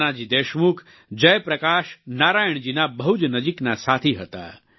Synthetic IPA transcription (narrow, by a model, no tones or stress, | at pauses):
ad͡ʒid̪eːʃmukʰ | d͡ʒɐjpɾɐkaːʃnaːɾaːjəɳ̃d͡ʒinabɐɦud͡ʒnəd͡ʒiknasaːt̪ʰiɦət̪a̰